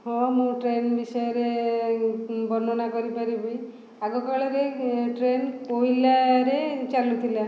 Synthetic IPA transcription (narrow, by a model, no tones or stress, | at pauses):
hɔ̃mũʈɾenbisɔjɔɾe | bɔnɔnakɔɾipaɾibɔj | aɡɔkaɭɔɾeʈɾenoilaɾet͡ʃalũt̪ʰila